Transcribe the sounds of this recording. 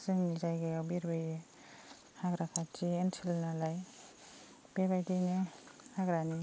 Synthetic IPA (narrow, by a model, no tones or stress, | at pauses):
sɯŋnizajɡajawbeɾbaje | haɡɾakʰatientʰilnalaj | b̥ebajdinehaɡɾani